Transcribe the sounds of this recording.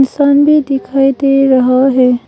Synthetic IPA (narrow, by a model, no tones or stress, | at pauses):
nsanbʱid̪ikʰajd̪eɾəɦəɦe